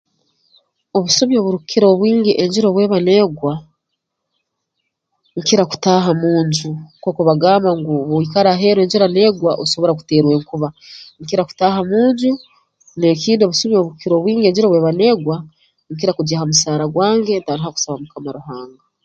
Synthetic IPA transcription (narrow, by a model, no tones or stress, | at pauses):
o̞βusomjoβuɾukʰiɾo̞βwiːŋɡiʔeɲɟiɾo̞βwe̞ːβane̞ːɡwa | ŋkiɾaku̥taːɦamuːɲɟuko̞ːkoβaɡaːmaŋɡuβoikaɾaɦe̞ːɾwe̞ːɲɟiɾane̞ːɡwaʔoso̞βo̞ɾaku̥te̞ːɾwe̞ːŋkuβaŋkiɾaku̥taːhamuːɲɟu | nekiːndio̞βusomjoβuɾukiɾo̞ːβwiːŋɡie̞ːɲd͡ʒiɾoβwe̞ːβane̞ːɡwa | ŋk̬iɾakuɟehamusaːɾaɡwaːŋɡe̞ntaɾihaku̥saβamukamaɾuɦaːŋɡa